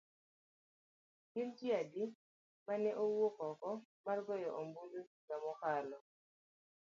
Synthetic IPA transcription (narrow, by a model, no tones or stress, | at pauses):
kintiadi | manɛʔowokɔkɔ | marɡɔjɔʔomboloɡamɔkalɔ